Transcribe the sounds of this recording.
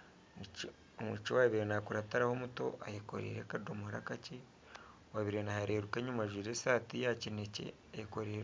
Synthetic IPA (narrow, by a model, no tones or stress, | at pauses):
omut͡ʃowaβiɾenakuɾataɾahomuto̞̰ʔajeko̰ɾḛɾekadomuhaɾa̰kace | waβiɾenahaɾeːɾukeɲumaʒwiːɾesaːtijacinecḛ | ajekoɾeːɾ